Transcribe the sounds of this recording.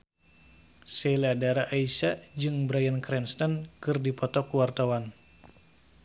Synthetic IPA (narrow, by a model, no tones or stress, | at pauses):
sɛladaɾaʔaisad͡ʒɨŋbɾajankɾɛnst̪ankɨrdipɔt̪ɔkuwart̪awan